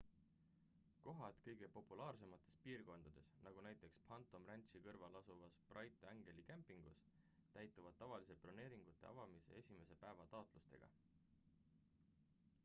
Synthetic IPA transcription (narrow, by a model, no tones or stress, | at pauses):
ko̞ɦɑt̪kɤjɡ̥e̞po̞pːˑulɑːrse̞mɑt̪ːˑe̞spiːrko̞nd̪̥ɑd̪̥e̞snɑɡ̥unæjt̪ːˑe̞kspʰɑnt̪ːˑo̞mrænʲt̪ʃikɤrvɑlɑsuvɑsprʔɑjt̪ːˑeæŋɡ̥e̞likæmpːˑiŋɡ̥us | t̪æjt̪ːˑuvɑd̪̥̚ːɑvɑlis̬eplone̞ːɾiŋɡ̥ut̪ːˑe̞̰ɑ̰vɑmisḛe̞sʲime̞se̞pæe̞vɑt̪ɑot̪ˑlust̪e̞̰ɡ̥ɑ̰